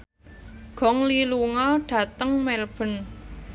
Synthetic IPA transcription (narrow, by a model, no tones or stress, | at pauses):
ɡ̥ɔ̤ŋliluŋɔɖ̥ä̤t̪əŋmɛlb̥ə̤n